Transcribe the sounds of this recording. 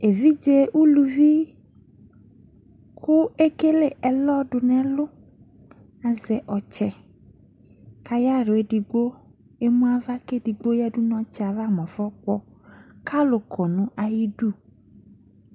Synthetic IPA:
e˨vi˦d͡ʒe˦ʔu˦lu˨vi˦ | kʰʊ˦e˦ke˦le˦˨ɛ˨lɔ˦ɖʊ˨nɛ̃˦lʊ˦ | a˨zɛ˨ʔɔ˨t͡ʃɛ˨ | ka˨ja˦ɾʊ˨e˦di˨ɡ͡bo˦ | e˦mũ˦a˦˨va˦ke˦di˨ɡ͡bo˦jɛ˦ɖu˦nɔ̃˦t͡ʃɛ˦a˨va˦mɔ̃˨fɔ˦k͡pɔ˦ | kʰa˦lʊ˨kʰɔ˨nʊ̃˦ʔa˨ji˦ɖu˦˨

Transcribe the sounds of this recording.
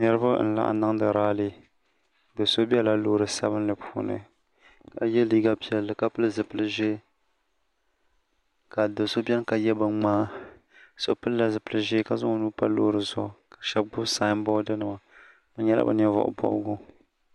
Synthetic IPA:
nɛ˦ɾɨ˦ba˦n̩˦la̰˨ʔa̰˨na˦ŋdɨ˨ɾaː˦lɨ˦ | do˨so˦bɛ˦la˨loː˦ɾɨ˨sa˦βɨ˦n˦lɨ˨pʰuː˦nɨ̰˨ | ka̰˨jɛ˦liː˦ɡa˦pi˨ɛ˨lːɨ˨ka˦pɨ˦lɨ˦zɨ˨pɨ˦lɨ˦ʒe˦ | ka˨do˨so˦bʲɛ˦nka˨jɛ˦bɨ˨ŋ͡maː˦ | so˨pɨ˦lla˨zɨ˨pɨ˦lɨ˦ʒe˦ka˨zʊ˦nuː˦pa˦loː˦ɾɨ˨zʊ̰˨kḁ˨ʃɛ˦b̚ɡ͡bʊ˦saː˦mbɔ˦dɨ˦nɨ˨ma˨ | bɨ˦ɲɛ˦lʔa̰˦bɨ̰˨n˦ɛ˦vɔ̰˨ʔʊ̰˦bɔ̰˨˦ɡʊ˦

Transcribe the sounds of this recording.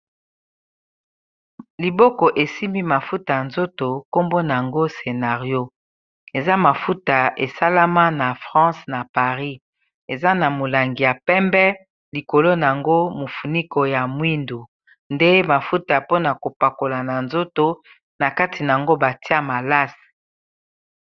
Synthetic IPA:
li˨bɔ˦kɔ˨ʔe˨si˦mi˦ma˨fu˦ta˨a˨nzo˦to˨ko˦mbo˦na˨a˨ŋɡo˦se˨na˨ʁjo˦ | e˨za˦ma˨fu˦ta˨ʔe˨sa˦la˦ma˦na˨fʁɑ̃˦sna˨pa˨ʁi˦ | e˨za˦na˨mo˨la˨ŋɡi˨ja˨pɛ˦mbɛ˦ | li˨ko˨lo˦na˨a˨ŋɡo˦mo˨fu˨ni˦ko˨ja˨mwi˦ndu˨ | nde˦ma˨fu˦ta˨po˦na˨ko˨pa˨ko˨la˨na˨nzo˦to˦ | na˨ka˦ti˨na˨a˨ŋɡo˦ba˨ti˦a˦ma˨la˦s

